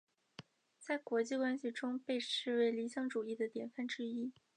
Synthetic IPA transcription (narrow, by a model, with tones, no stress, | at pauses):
t͡sa˥˩ɪkwɔ˧˥t͡ɕi˥˩kwa˥nɕi˨˩ʈ͡ʂʊ˥ŋpe˥˧ɪʂɻ̩˥˩we˧˥ɪli˧˥ɕjɑ˥ŋʈ͡ʂu˨˩i˥˩d̪ə˩t̪jɛ˨˩nfa˥˩nʈ͡ʂɻ̩˥i˥